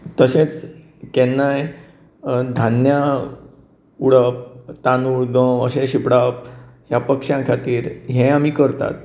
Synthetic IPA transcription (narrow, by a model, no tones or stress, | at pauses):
t̪əset͡s | kɛnːaj | d̪ʱanja | uɽəp̚t̪anuɭd̪ə̃ə̰ɕeɕipɽap̚ɦjapəkʂjãkʰat̪iːɾɦẽamiːkəɾt̪a̰t̪̚